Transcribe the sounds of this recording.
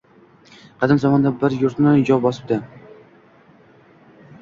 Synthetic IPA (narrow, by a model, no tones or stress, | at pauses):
qʰɑd̪ɪmzɒmɒnd̪abɪɾjʊɾt̪nɪd͡ʒɒp̚bɒsɪ̥p̚d̪ɪ